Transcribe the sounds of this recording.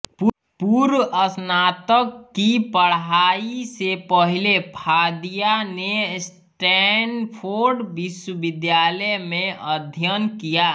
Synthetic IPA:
p | puɾəsnaːt̪əkːipəɽɦaːisepəɦilepʰaːd̪ijanes | ʈɛnpʰoɾɖbɪswəbɪd̪jaːləmẽʔəd̪ʱjənkijaː

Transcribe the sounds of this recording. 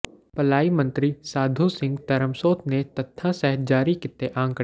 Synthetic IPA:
pɐlaːimɐ̃nt̪ɾisaːd̪ʱusɪ̃ŋɡt̪ɐɾəmsoːt̪net̪ɐt̪ʰːãsɛɦt̪d͡ʒaːɾikɪt̪ːeʔãːŋkə

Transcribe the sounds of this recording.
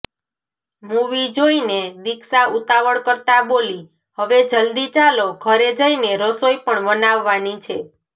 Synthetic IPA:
muʋid͡ʒoined̪iksaut̪aʋəɭkəɾt̪aboli | həʋed͡ʒəld̪it͡ʃaloɡʱəɾed͡ʒəineɾəsoipəɳʋənaʋːanit͡ʃʰe

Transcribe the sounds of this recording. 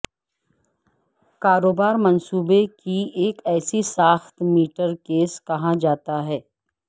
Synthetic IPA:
kaːɾoːbaːɾmɐnsuːbekieːkɛːsisaːxt̪miːʈəɾkeːskɐɦãd͡ʒaːt̪aɦɛː

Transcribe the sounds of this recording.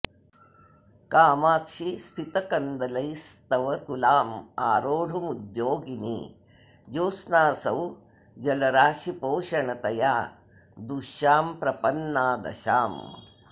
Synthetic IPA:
kaːmaːkʃist̪ʰit̪ɐkɐnd̪ɐlɐjst̪ɐʋɐt̪ulaːmaːɾoːɖʱumud̪joːɡinḭ | d͡ʒoːsnaːsɐw | d͡ʒɐlɐɾaːʃipoːʃɐɳɐt̪ɐjaː | d̪uʃjaːmpɾɐpɐnːaːd̪ɐ̰ʃaːm

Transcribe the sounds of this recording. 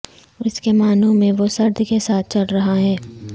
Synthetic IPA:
ɔɪskemaːnõmẽʋosɐɾd̪ʱkesaːt̪̚ʰt͡ʃɐɽɾɐɦaɦɛ̃ː

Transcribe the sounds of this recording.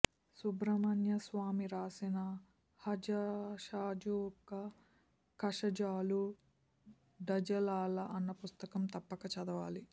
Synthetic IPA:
subɾɐmɐnjɐsʋaːmiɾaːsinɐ | hɐd͡ʒɐʃaːd͡ʒukːɐ | kɐʂɐd͡ʒaːlu | ɖɐd͡ʒɐlaːlɐʔɐnːɐpust̪ɐkɐmt̪ɐpːɐkɐt͡ʃɐd̪ɐʋaːli

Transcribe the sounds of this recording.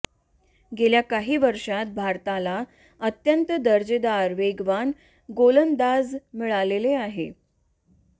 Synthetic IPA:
ɡeljakaɦiːʋəɾʂat̪̚bʱaɾt̪ala | ət̪jənt̪əd̪əɾd͡ʑed̪aɾʋeɡʋan | ɡolənd̪ad͡zmiɭaleleaɦḛ

